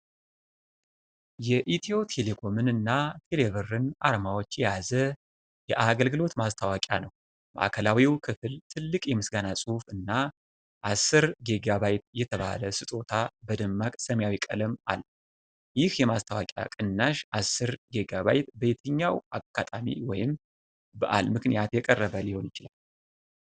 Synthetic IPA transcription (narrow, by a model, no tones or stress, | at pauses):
jɛʔit̪ʰio̞t̪ʰe̞le̞kʰo̞mɨnɨnːat̪ʰe̞levɨɾɨnʔaɾmawo̞t͡ʃːjɛjazə | jɛʔaɡəlɡɨlo̞t̪mast̪ʰawakʼja̰nəw | ma̰ʔakʰəlawiwkʰɨfɨlt̪ʰɨlːɨkʼjɛmɨsɡanasʼufɨnːa | ʔasːɨɾɡe̞ɡaβajt̪̚jɛt̪ʰəβa̰ləsɨt̪ʼo̞t̪ʰabəd̪əmːakʼsəmjawikʼələmʔa̰lː | jɪhjɛmast̪ʰawakʼja̰kʼɨnːaʃasːɨɾɡe̞ɡaβajt̪bəet̪ʰəɲːawaɡ̥at̪ʼamḭwɔjɪm | bəʔa̰lmɨknijat̪jɛkʼərːəβəlɪho̞njɪt͡ʃɪlal